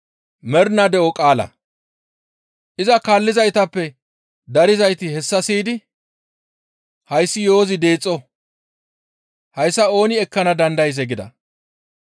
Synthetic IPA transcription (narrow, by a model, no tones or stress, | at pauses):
mɛɾnɐd̪ɛʔɔkʼaːlɐ̰ | ʔɪzɐkaːlːɪzɐjt̪ɐpːɛ | d̪ɐɾɪzɐjt̪ɪhɛsːɐsiːd̪ɪ | hɐjsːɪjo̞ːzɪd̪eːt͡sʼːɔ | hɐjsːɐo̞ːnɪɛkːɐnɐd̪ɐnd̪ɐjs̬ɛɡɪd̪ɐ̰